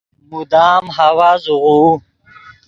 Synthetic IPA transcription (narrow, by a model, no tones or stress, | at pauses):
mud̪aːmɦawazuʁuː